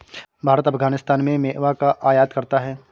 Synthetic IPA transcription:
bʱaːɾət̪ɐfɡaːnɪst̪aːnmẽmeːʔʋakaʔaːjaːt̪kɐɾt̪aɦɛː

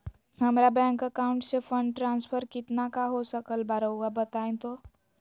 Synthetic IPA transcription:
hɐmɾabɛ̃ːŋkəkaːʊ̃ɳʈsefʰə̃ɳɖʈɾãːnspʰəɾkɪt̪nakaɦosəkəlbaɾəuabət̪aːẽt̪oː

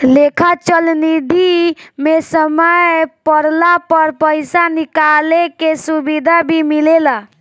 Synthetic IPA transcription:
lekʰat͡ʃəlnid̪ʱimesəməjpəɾlapəɾpəjsanikalekesubid̪ʱabʱimilela

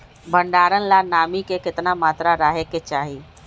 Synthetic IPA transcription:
bʱəɳɖaːɾənlanaːmikekɪt̪namaːt̪ɾaɾaːɦeket͡ʃaːɦiː

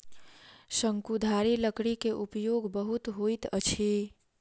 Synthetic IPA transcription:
səŋkud̪ʱaɾiləkɽikeʔupjoɡbəɦut̪ɦojt̪ət͡ʃʰi

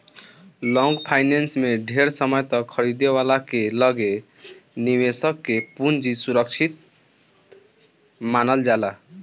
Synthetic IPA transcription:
lɔ̃ŋɡpʰajnensmeɖʱeɾsəməjt̪ʌkʰəɾid̪ewalakeləɡe | niwesəkːepund͡ʒisuɾək̚t͡ʃʰit̪̚ | manəld͡ʒala

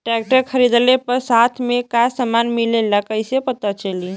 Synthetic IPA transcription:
ʈɾɛk̚ʈəɾkʰəɾid̪lepəɾsat̪ʰmekasəmanmilelakəɪsepət̪at͡ʃəli

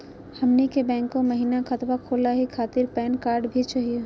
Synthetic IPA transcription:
həmnikebɛ̃ːŋkõməɦiːnakʰət̪wakʰoːlaɦikʰaːt̪ɪɾpɛːnkaːɾɖbʱit͡ʃaːɦije

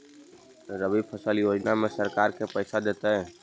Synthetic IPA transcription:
ɾəbib̚pʰəsəljoːd͡ʒnamẽsəɾkaːɾkepɛɪsad̪eːt̪aɦɛ̃ː

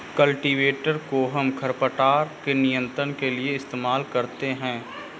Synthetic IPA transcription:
kɐlʈiʋeːʈəɾkoɦɐmkʰɐɾpəʈaːɾkenijə̃nt̪ɾənkelieɪst̪eːmaːlkɐɾt̪eɦɛ̃ː

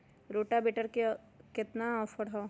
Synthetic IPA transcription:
ɾoːʈabeːʈəɾke | kɪt̪naɔːfəɽɦɔː

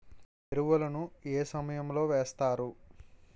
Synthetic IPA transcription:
t̪eɾuʋɐlɐnueːsɐmɐjɐmlo̞ːʋeːst̪aːɾu

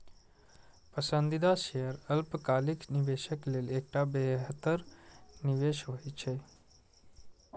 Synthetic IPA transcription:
pəsənd̪id̪aʃejəɾəlpkalikniʋeʃəklelekʈabeɦət̪əɾniʋeʃɦojt͡ʃʰe

